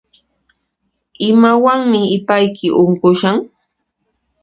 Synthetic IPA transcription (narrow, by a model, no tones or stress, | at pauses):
ɪmawaŋmɪɪpajkʰɪʔʊŋkʊʃaŋ